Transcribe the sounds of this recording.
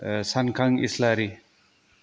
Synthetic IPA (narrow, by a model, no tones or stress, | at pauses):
sankʰaŋḭslaɾi